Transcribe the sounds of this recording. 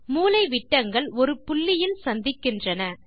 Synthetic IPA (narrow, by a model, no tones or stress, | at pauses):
muːlɐɪʋɪʈːɐŋɡɐɭɔɾɯpʊɭːɪjɪlsɐnd̪ɪkːɪndrɐnɐ